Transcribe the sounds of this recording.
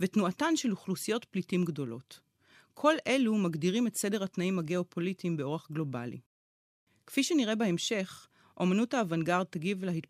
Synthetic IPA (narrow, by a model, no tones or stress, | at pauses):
vetnuatanʃe̞luχlusijo̞tplitimɡdo̞lo̞t | kʰo̞lʔe̞lumaɡdiʁimetse̞de̞ʁhatnaimhaɡe̞o̞pʰo̞litimbeo̞ʁaχɡlo̞ba̰lḭ | kfiʃeniʁe̞bae̞mʃe̞χ | ʔo̞manuthaːvanɡaʁd̚t̪aɡivlehit